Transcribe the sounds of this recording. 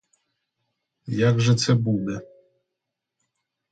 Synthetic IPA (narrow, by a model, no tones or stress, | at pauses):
jaɡʐɛt̪sɛbunɛ